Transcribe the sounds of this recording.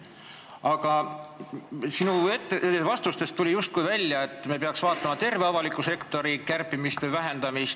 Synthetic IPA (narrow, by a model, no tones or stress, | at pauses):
ɑkɑ | sinue̞t̪ːevɑst̪ust̪e̞st̪ːulʲijust̪̚kujvælʲjɑe̞t̪ːˑme̞p̬eɑksvɑːt̪ːˑɑmɑt̪e̞rve̞ɑvɑlikːˑuse̞kt̪o̞ɾikærpːimist̪evæɦe̞nd̪̥ɑmist̪